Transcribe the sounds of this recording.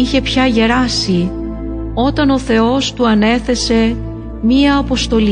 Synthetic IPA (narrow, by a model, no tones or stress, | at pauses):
içe̞pçɐʝe̞ɾɐsi | o̞t̪ɐno̞θe̞o̞st̪uɐne̞θe̞se̞ | miɐːpo̞st̪o̞li